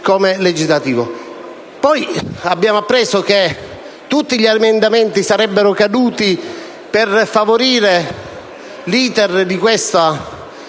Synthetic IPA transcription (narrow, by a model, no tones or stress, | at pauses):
komeled͡ʒizlat̪iːvo̰ | pɔjabːjaːmoapːɾɛsok̟e | t̪ːut̪ːiʎamend̪ament̪isaɾɛbːeɾokad̪uːt̪i | perfavoɾiːɾe | liːt̪erd̪ikwest̪a